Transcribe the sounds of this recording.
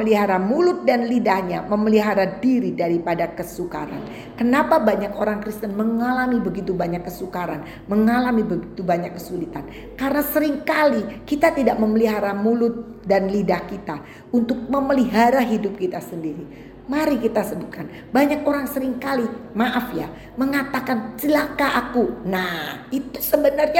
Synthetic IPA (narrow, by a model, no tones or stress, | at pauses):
əliɦaɾamulʊt̪̚danlidahɲaməməliɦaɾadiɾidaɾipadakəsuka̰ɾa̰n | kənapabaɲakoɾaŋkɾist̪ənməŋalamibəɡit̪ubaɲakːəsukaɾan | məŋalamibəɡit̪ubaɲakːəsulit̪an | kaɾənasəɾɪŋkalikit̪at̪idaʔ̚məməliɦaɾamulʊt̪̚danlidahkit̪a | unt̪ʊk̚məməliɦaɾaɦidʊp̚kit̪asəndiɾi | maɾikit̪asəbʊt̪̚kan | baɲakoɾaŋsəɾɪŋkalimaʔafja | məŋat̪akant͡ʃəlakaʔakunahit̪usəbənərɲa